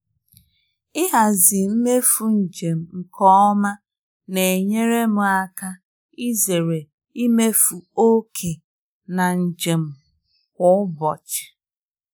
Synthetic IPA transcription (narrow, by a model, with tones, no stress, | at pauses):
ɪ˦ɦa˨zɪ˨m̩˦me˦fu˨n̩˨d͡ʒe˨m̩˨ŋ̩˨kʰɔ˦ɔ˦ma˦ | ne˨e˨ɲe˦ɾe˦mʊ˨a˦ka˦ | i˦ze˨ɾe˨ | i˦me˦fu˨o˦kʰe˨ | na˨n̩˨d͡ʒe˨m̩˨ | kʷʊ˦ʊ˦bɔ̰˨t͡ʃɪ̥˨